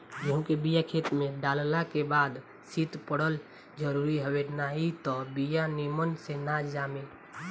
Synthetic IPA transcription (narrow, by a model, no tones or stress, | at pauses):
jõɦũkebijakʰeːt̪mẽɖaːllakebaːd̪ | sit̪pəɽəl | d͡ʒəɾuːɾiɦəwenait̪ɔbijanimənsenad͡ʒaːme